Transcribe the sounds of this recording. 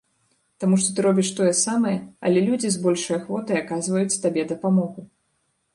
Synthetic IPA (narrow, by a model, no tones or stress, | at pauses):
t̪amuʂt̪ɔt̪ɨɾɔbʲiʂt̪ɔjɛsamɐjɛɐ̰lʲɛlʲud͡zʲizbɔlʲʂɐjɐxvɔt̪ɐjakazvɐjut͡sʲt̪abʲɛd̪ɐpamɔɣu